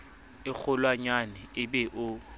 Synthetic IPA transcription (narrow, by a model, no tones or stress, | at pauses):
ɪk͡xʰʊlwaɲanɛɪbɛʔʊ